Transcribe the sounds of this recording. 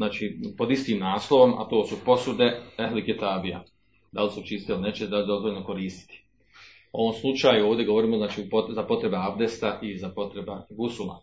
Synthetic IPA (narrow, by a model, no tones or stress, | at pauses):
naːt͡ʃiːpo̞d̪ist̪iːmnaːslˠo̞ʋo̞mʔa̰t̪o̞ːsupo̞sud̪e̞ehliket̪aːbija̰ | d̪alisut͡ʃist̪elinet͡ʃed̪alidozʋoʎʲlnoko̞ɾiːst̪i̥t̪i̥ | o̞ʋo̞mslˠut͡ʃaːjuoːʋd̪ʲe̞ɡoo̞ɾiːmoznaːt͡ʃiːupozapo̞t̪ɾe̞beavd̪est̪aʔizapo̞t̪ɾebaɡusula̰